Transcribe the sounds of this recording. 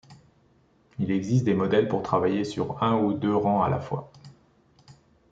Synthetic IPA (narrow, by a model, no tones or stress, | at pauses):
ilɛɡzist̪d̪emɔd̪ɛlpuʁt̪χavajesyʁɛ̃ud̪øʁɑ̃a̰la̰fwa̰